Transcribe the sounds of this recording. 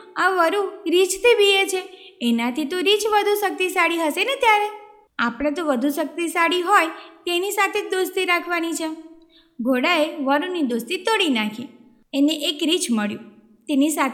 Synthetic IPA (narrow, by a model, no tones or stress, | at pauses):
aʋəɾuɾit͡ʃt̪ʰibiet͡ʃʰeenat̪ʰit̪oɾit͡ʃʋəd̪ʱusək̚t̪isaɽiɦəʃenet̪jaɾe | apɽ̃ãt̪oʋəd̪ʱuʃək̚t̪isaɽiɦojt̪enisat̪ʰed̪ost̪iɾakʰʋanit͡ʃʰe | bʱoɽaeʋəɾunid̪ost̪it̪oɽinakʰi | eneʔekɾit͡ʃməɭjũ | t̪enisat̪ʰ